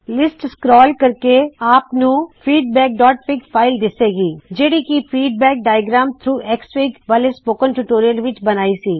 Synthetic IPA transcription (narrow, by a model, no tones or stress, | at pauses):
lɪsʈskɾɔːlkɐɾkeaːpnũfiːɖ̚bɛːk̚ɖɔːʈ̚pɪkfaːɪld̪ɪseːɡiːd͡ʒeːɽikifiːɖ̚bɛːk̚ɖaːɪjəɡɾaːmt̪ʰɾuːʔɛksʋiːkʋalɪspoːkə̃nʈuʈoːɾiəlʋɪt͡ʃbɐnaːisiː